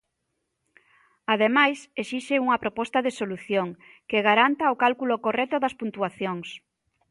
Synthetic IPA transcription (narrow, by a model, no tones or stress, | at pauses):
aðemajsesiʃeuŋɐpɾopɔst̪ɐðesoluθjoŋ | keɣaɾant̪ɐokalkulokorɛt̪oðɐspunt̪uaθjoŋs